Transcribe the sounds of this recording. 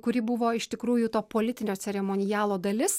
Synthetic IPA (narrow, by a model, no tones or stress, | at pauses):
kʊɾʲɪbʊʋoːɪʃt̪ʲɪkɾuːjʊt̪oːpoːlʲɪt̪ʲɪnʲoːt̪sʲɛɾʲɛmoːnʲɪjæːlˠoːd̪ɐlʲɪs